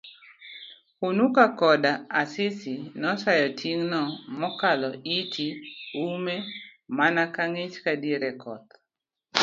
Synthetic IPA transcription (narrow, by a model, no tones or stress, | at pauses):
unukakɔdaasɪsinɔsajɔtʰiŋnɔmɔkalɔitʰiumemanakaŋet͡ʃkadieɾɛkʰɔt̪̚